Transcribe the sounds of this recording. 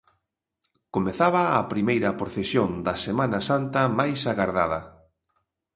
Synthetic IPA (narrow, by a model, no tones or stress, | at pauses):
komeθaβɐːpɾimejɾɐpɾoθesjond̪ɐsemãnɐsant̪ɐmajsaɣaɾða̰ð̞ɐ